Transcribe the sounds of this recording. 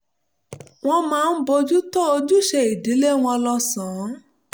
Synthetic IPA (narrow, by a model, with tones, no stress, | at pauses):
w̃ɔ̃˧mãː˦˧n̩˦bo˧d͡ʒu˦tɔ˦o˧d͡ʒu˦ʃe˧i˨di˨˦le˦w̃ɔ̃˧lɔ˧sã˨˦